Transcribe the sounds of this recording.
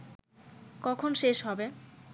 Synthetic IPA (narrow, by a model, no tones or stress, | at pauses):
kɔkʰonʃeʃɦɔbe